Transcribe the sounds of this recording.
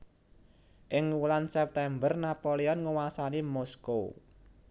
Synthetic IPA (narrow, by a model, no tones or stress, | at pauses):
ʔɪŋulansɛp̚t̪ɛmbərnapoleɔnŋuwasanimɔsko